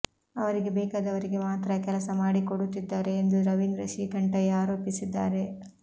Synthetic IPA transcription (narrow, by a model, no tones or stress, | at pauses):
ɐʋɐɾiɡe̞bɛːkaːd̪ɐʋɐɾiɡe̞maːt̪ɾɐkɛlɐsɐmaːɽikoɽut̪ːid̪ːaːɾe̞ːnd̪uɾɐʋind̪ɾɐʃiːɡɐɳʈɐjaːɾoːpisid̪ːa̰ːɾe̞